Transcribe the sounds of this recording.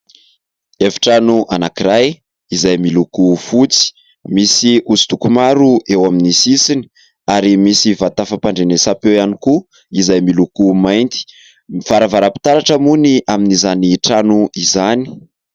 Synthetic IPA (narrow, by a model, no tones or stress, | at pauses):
efi̥ʈ͡ʂanuʔanakiɾaj | izajmilukufut͡si̥ | misiuzid̪ukumaɾuʔewaminisisini̥ | aɾimisivat̪afapaɳɖ͡ʐenesapewianiku | izajmilukumajnt̪i̥ | mifaɾavaɾapi̥t̪aɾaʈ͡ʂəmuniʔaminizaniʈ͡ʂanuizani̥